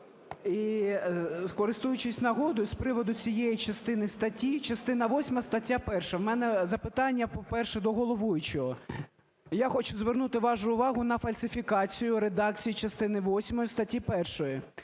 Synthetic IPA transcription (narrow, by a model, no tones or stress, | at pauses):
i | kɔɾɪst̪ujʊt͡ʃɪsʲnɐɦɔd̪ʊspɾɪʋɔd̪ʊt͡sʲijɛjit͡ʃɐst̪ɪnɪst̪ɐtʲːit͡ʃɐst̪ɪnɐʋɔsʲmɐst̪ɐtʲːapɛrʃɐwmɛnɛzɐpɪt̪ɑnʲːɐpɔpɛrʃɛd̪ɔɦɔlˠɔʋujʊt͡ʃɔɦɔ | jaxɔt͡ʃʊzʋernut̪ɪʋɑʒʊʊʋɑɦʊnɐfɐlʲsɪfʲikɑt͡sʲijʊɾed̪ɑk̚t͡sʲijit͡ʃɐst̪ɪnɪʋɔsʲmɔjist̪ɐtʲːipɛrʃɔjʊ